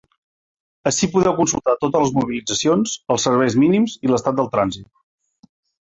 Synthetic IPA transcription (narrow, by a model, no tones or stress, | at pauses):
əʃipuðɛwkunsulˠt̪at̪ot̪̬əzləzmuβilid͡zəsionzəlˠsəɾβ̞ɛjzminimziləst̪at̪̚d̪əlˠt̪ɾanzit̪